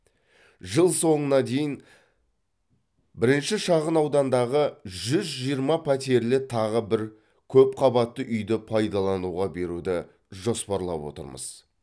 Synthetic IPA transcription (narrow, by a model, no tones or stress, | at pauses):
ʒəlˠso̞ɴənɑd̪e̞jɪn | bɪɾɪnʃɪʃɑʁənɑwd̪ɑnd̪ɑʁəʒʏzʒijəɾmɑpʰæt̪e̞ɾlɪt̪ʰɑʁəbɪɾ | kʲʰɵp̚qʰɑbɑt̪ːəʔʏjd̪ɪpʰɑjd̪ɑlˠɑnuʁɑbe̞ɾud̪ɪ | ʒo̞spɑɾlˠɑ̰pwo̞̰t̪ə̰ɾmə̰z̥